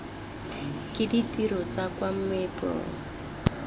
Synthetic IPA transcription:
kɪditiɾɔt͡sakwam̩mɛpo̰ːŋ̩

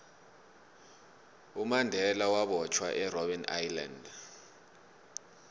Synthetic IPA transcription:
umandʱɛlawaɓɔt͡ʃʰwa̰ʔɛrɔɓɛna̰jland

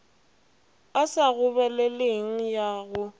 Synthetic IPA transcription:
asaɣʊβɛlɛleŋ̩jaːɣʊ

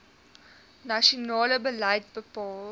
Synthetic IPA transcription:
naʃonɑːləbəlɐjt̚bəpɑːl

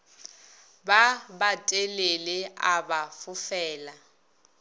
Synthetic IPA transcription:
babatʼeleleabafʊfɛːla

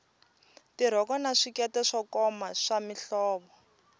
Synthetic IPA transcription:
tiɾ̤ɔkɔnaʂikɛtɛʂɔkɔmaʂamiɬɔːβɔ

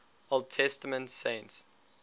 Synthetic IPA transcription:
olˠd̚tʰɛstəmə̃ntsẽɪ̃nts

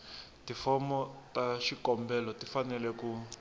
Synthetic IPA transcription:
tifɔmɔtaʃikɔmbɛlɔtifanɛlɛku

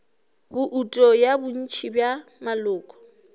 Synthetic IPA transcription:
bʊʔutʼɔjabʊn̩t͡ʃʰibjamalʊːkʼɔ̥

